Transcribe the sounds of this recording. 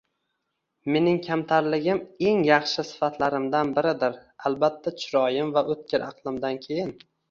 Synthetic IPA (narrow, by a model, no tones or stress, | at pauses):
me̞nɪŋkʲʰamt̪ʰaɾlɪɡʲɪme̞ŋjɑχʃɪsɪ̥fat̪ʰlaɾɪmd̪anbɪɾɪd̪ɪɾalˠbat̪ʰːat͡ʃʰʊɾɒjɪmvaʔɵt̪̚kʲɪɾʔɑqlˠɪmd̪ankʲʰe̞jɪn